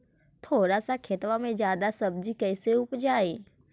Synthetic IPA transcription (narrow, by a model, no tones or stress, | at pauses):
t̪ʰoːɾasakʰet̪ʋamẽd͡ʒjaːd̪asɐb̚d͡ʒikɛːseʊpd͡ʒaːeː